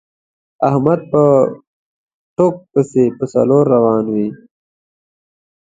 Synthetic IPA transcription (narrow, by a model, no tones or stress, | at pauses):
ahmad̪̚pə | ʈok̚pəsepəsɐ̰loːɾːawɑːnwi